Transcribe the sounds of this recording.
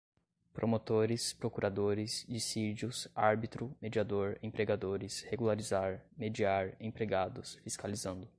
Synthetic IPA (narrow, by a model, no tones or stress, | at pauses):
pɾʔomot̪oɾɪspɾokuɾad̪oɾɪzd͡ʒisid͡ʒʊsaɾbit̪ɾʊmed͡ʒiad̪oɾḛ̃pɾeɡad̪oɾɪsheɡulaɾizaɾmed͡ʒiaɾẽpɾeɡad̪ʊsfiskalizɐ̃nd̪ʊ